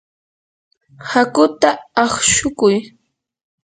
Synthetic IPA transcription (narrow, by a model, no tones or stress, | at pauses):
hakʊt̪aːχʃʊkʊj